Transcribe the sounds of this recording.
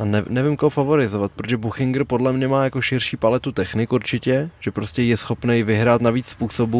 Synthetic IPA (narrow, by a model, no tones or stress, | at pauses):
ʔanɛnɛvɪmkoɦofavo̞ɾɪzovat̪̚pɾot̪oʒɛbuxɪŋɡɾ̩podlɛmɲɛmaːjako̞ʃɪrʃiːpalɛt̪ut̪ɛxnɪkuɾt͡ʃɪcɛʒ̥ɛpɾo̞scɛjɛsxo̞pnɛjvɪɦɾaːt̪naviːt͡sspuːso̞bu